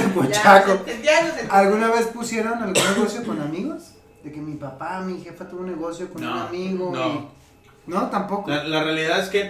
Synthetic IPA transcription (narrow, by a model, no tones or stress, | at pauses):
kot͡ʃakoaalɣunaβe̞spusje̞ɾo̞nalɣunneɣo̞sjo̞ko̞namiɣos | ðe̞ke̞mipapamixe̞fat̪uβunːe̞ɣo̞sjokonuamiɣoi | not̪ampo̞koalarealiðaðeske